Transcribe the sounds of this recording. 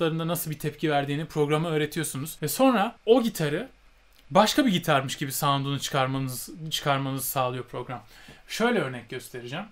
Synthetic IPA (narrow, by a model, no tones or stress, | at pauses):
lˠaɾɯnd̪anasɯlˠbit̪ʰɛp̚cʰivæɾd̪iːnipʰɾo̞ɡɾamɯøːɾe̞t̪ʰijo̞sunuz̥vɛso̞nɾao̞ɟit̪ʰaɾɯ | baʃkabiɟit̪ʰaɾmɯʃɟibisand̪unut͡ʃʰɯ̥kʰaɾmanzt͡ʃʰɯ̥kʰaɾmanɯzɯsaːlˠɯjo̞pʰɾo̞ɡɾamʃø̞jlʲɛø̞ɾnɛc̚ɟø̞st̪ʰe̞ɾid͡ʒæm